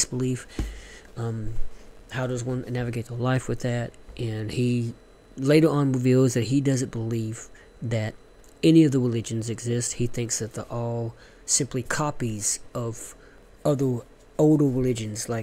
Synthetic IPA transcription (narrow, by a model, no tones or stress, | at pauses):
sb̥əlif | haʊɾʌzwʌ̃nnævɨɡeɪt̚əlaɪfwɨðɨt̚ʔɨ̃ni | leɪɾə˞ə̃nɹɨvilˠzðɨt̚hidʌzɨ̃nb̥əliv | ðɨɾ | ɛniʌvðəɹəlɪd͡ʒɨ̃nzɨɡzɪsthiθɪ̃ŋksðɨt̪̚ðə̰˞ʔɔlˠ | sɪ̃mplikʰɑpiz̥ʌv̥ | ʌðə˞ | oʊlˠdə˞ɹəlɪd͡ʒɨ̃nzlaɪ